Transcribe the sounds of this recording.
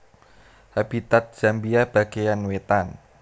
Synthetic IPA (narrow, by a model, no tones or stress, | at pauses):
hab̥it̪at̪̚ʒ̥a̤mbiab̥aɡ̥ejanwet̪an